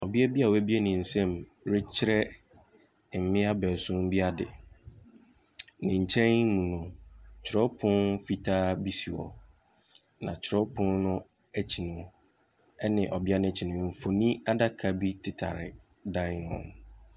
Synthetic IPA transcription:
ɔ˨bi˦ɛ˦bi˦a˨wæ˦bi˦e˦nɪ̃˨n̩˨sɛ̃˦˨m | ɾɪ˦t͡ɕʰɪ˦ɾɛ˦˨ | m̩˨mɪ̃˦a˦bɛ˨sʊ̃˦m˦bi˦a˦dɪ̰˨ | nɪ̃˨ɲ̩˨t͡ɕʰɛ̃˦n˦mũ˨nʊ̃˨t͡ɕʰɪ˨ɾɔ˦pʰʊ̃˦nfi˦tʰaː˦bi˦si˨ɔ̰˨ | nã̰˨t͡ɕʰɪ˨ɾɔ˦pʰʊ̃˦nnʊ̃˦ | æ˦t͡ɕʰi˨nʊ̃˨ | ɛ˦nɪ̃˨ʔɔ˨bɪ˦a˦nʊ̃˦t͡ɕʰi˨nʊ̃˨m̩˨fo˨nĩ˦a˦da˦kʰa˨bi˦tʰɪ˨tʰa̰˨ɾɪ̰˨ | dã˦˨˦nʊ̰̃˨n

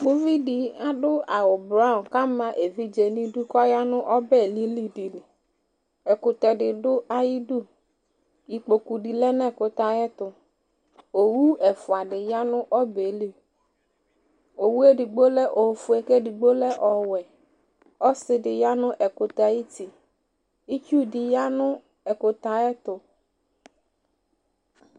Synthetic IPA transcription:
ɡ͡bʊ˦vi˦di˨a˦dʊ˦a˨ʊ˨bɾa˦˨ka˦mã˦ʔe˨vi˦d͡ʒe˨nĩ˦du˦kɔ˦ja˦nʊ̃˦ʔɔ˦bɛ˦˨li˦li˦di˨lɪ˨ | ɛ˨kʊ˨t̪ɛ˨dɪ˨dʊ˦ʔa˨ji˦du˦ | i˨k͡po˨ku˨di˨lɛ˦nɛ̃˦˨kʊ˨t̪a˦jɛ˦t̪ʊ˨ | o˨wu˦ɛ˨fʊ˨a˨dɪ˨ja˦nʊ˦ʔɔ˦be˨˦li˦ | o˨wu˦ɛ˦ɖi˨ɡ͡bo˦lɛ˦ʔo˨fʊ˨˦ɛ˨kɛ˦ɖi˨ɡ͡bo˦lɛ˦ʔɔ˨wɛ˨ | ɔ˦sɪ˦ɖɪ˨ja˦nʊ̃˦ʔɛ˨kʊ˨t̪a˨i˦t̪i˨ | i˦t͡ʃu˦di˨ja˦nʊ̃˦ | ɛ˨kʊ˨t̪a˨ɛ˦t̪ʊ˨

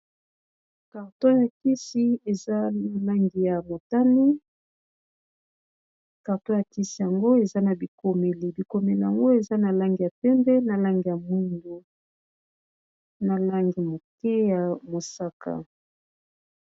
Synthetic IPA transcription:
ka˨ʁtɔ̃˦ja˨ki˦si˦e˨za˦na˨la˦ŋɡi˨ja˨mo˨ta˦ni˦ | ka˨ʁtɔ̃˦ja˨ki˦si˨ja˨ŋɡo˦e˨za˦na˨bi˨ko˨me˨li˨bi˨ko˨me˨li˨ja˨ŋɡo˦e˨za˦na˨la˦ŋɡi˨ja˨pɛ˦mbɛ˦na˨la˦ŋɡi˨ja˨mwi˦ndo˨ | na˨la˦ŋɡi˨mo˨kɛ˦ja˨mo˨sa˦ka̰˨

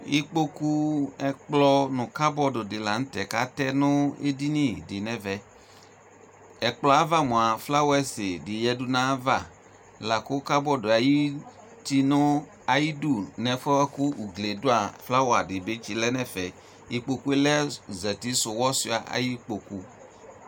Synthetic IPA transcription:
ji˦k͡po˦ku˦ɛ˨k͡plɔ˦nʊ̃˨ka˦bɔ˦dʊ˨dɪ˨la˨ŋ̩˦tɛ˨ka̰˦tɛ˦nʊ̃˦ḛ˦di˦nĩ˦˨dɪ˨nɛ̃˨vɛ˨ | ɛ˨k͡plɔ˨˦a˦va˦mũ˨a˨fla˦wɛ˦sɪ˨dɪ˨jɛ˦du˦nã˦va˦˨ | la˨kʊ˦ka˦bɔ˦dʊ˨a˨ji˦ | ti˦nʊ̃˦ | a˨ji˦du˦nɛ˨fɔ˦kʊ˦u˨ɡle˨dʊ˦a˨fla˦wa˨dɪ˨be˦t͡ʃi˨lɛ˦nɛ̃˨fɛ˨ | i˨k͡po˨ku˦e˦lɛ˦zɛ˨ti˦sʊ˨wɔ˦si˦a˨ʔa̰˨ji˦k͡po˨ku˨

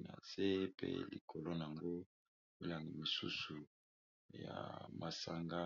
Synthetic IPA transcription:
na̰˨ze˦pḛ˦lḭ˨kʰo˨lo˦na˨a˨ŋɡo˦ | mi˦la˨ŋɡi˨mi˨su˦su˨ | ja̰˨ma˨sa˦ŋɡa˦

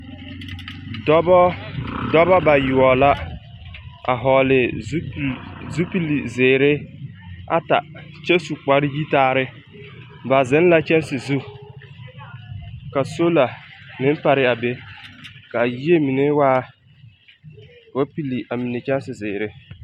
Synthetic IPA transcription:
dɔ˦bɔ˦dɔ˦ba˦ba˨jʊ˨ɔ˨la˦ | a̰˨ɦɔ˨lɪ˨˦˨ | zu˦pi˦li˨zɪː˨ɾɪ˦ | a̰˦ta˨t͡ʃɛ˦su˨k͡pa˨ɾɪ˦ji˦taː˦ɾɪ˦ | ba˨zɪ˦n˦la˦t͡ʃɛ˦nsɪ˨zu˦ | ka˨so˦la˨mɪ˦m˦pa˨ɾɪ˦a˨be˦ka˨ji˦e˦mi˨ne˦waː˦ | wa˦pi˦li˨ʔa˨mi˨ne˨t͡ʃɛ˦n˦sɪ˨zɪː˨ɾɪ˦

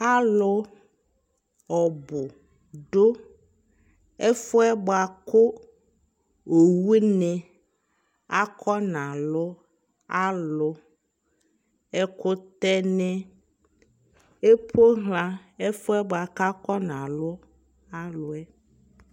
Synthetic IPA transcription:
a˦lʊ˨˦ | ɔ˨bʊ˨ | ɖo˦ | ɛ˦fʊ˦ɛ˦bo˨a˨kʊ˦ | o˨wu˦nẽ˨ | a˦kʰɔ˦nã˨lʊ˦ | a˦lʊ˨ | ɛ˦kʊ˦t̪ɛ˦nɛ̃˦ | e˦po˦ɦl̃ã˦e˦fʊ˦ɛ˦ba˨ka˦kɔ˦nã˨lʊ˦ | a˦lʊ˨ɛ˦

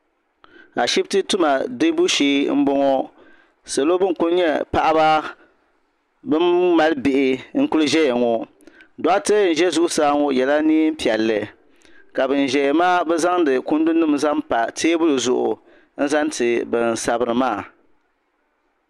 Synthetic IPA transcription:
a˨ʃi˦btɨ˦tu˦ma˨dɨ˦bu˦ʃiː˦m̩˦bɔ˦ŋɔ˦ | sa˨lo˦bɨ˦˨ku˦n˦ɲɛ˦pa˦˨ʔa˦ba˦ | bɨ˦mː˦a˦lɨ˦bɪ˨ʔɪ˨ŋ̩˦ku˦lɨ˦ʒɛ˦jɛ˨ŋɔ˨ | dɔ˦a˦tɨ˦n̩˨ʒɛ˦zu˦ʔʊ˦saː˦ŋɔ˦jɛ˨la˦niː˦m̩˦pi˨ɛ˨lːɨ˨ | ka˨bɨ˨n˨ʒɛ˨jɛ˨maː˦bɛ˦za˦ŋdɨ˨kʊ˦n˦du˦nɨ˦mza˦mpa˨teː˦bʊ˦lɨ˨zʊ˨ʔʊ̰˨ | n̩˦za˦ntɨ˨bɨ˨n˨sa˨bɨ˨ɾɨ˨maː˦˨

